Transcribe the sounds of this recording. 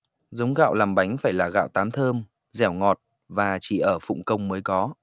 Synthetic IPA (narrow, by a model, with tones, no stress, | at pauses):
zə˨˦wŋ͡mɣa̰ː˧˨wlaː˨˩mɓa˨˦jŋ̟faː˧˩jlaː˨˩ɣa̰ː˧˨wt̪aː˨˦mt̪ʰəː˧m | zɛ˧˩wŋɔ˨˩t̚ | vaː˨˩t͡ɕi˧˩ʔəː˧˩fʊ̰˧˨ŋ͡mkə˧wŋ͡mməː˨˦jkɔ˨˦